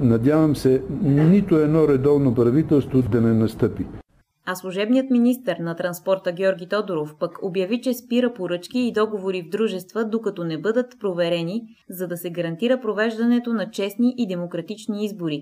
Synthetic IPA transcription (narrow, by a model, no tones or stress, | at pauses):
nɐd̪ʲjavɐmsɛnit̪ʊɛd̪nɔɾɛd̪ɔvnopɾɐvit̪ɛlˠst̪vod̪ɐnɛnɐst̪ɤpi | ɐslˠuʒɛbnijət̪minist̪əɾnɐt̪ɾɐnspɔɾt̪əɡʲɔɾɡʲit̪ɔd̪oɾofpəkobjɐvit͡ʃɛspiɾəpoɾɤt͡ʃk̟iːd̪ɔɡovoɾivd̪ɾuʒɛst̪vəd̪okɐt̪ɔnɛbɤd̪ət̪pɾovɛɾɛni | zɐd̪ɐsɛɡɐɾɐnt̪iɾəpɾovɛʒd̪ɐnɛt̪onɐt͡ʃɛsniʔid̪ɛmokɾɐt̪it͡ʃniizboɾi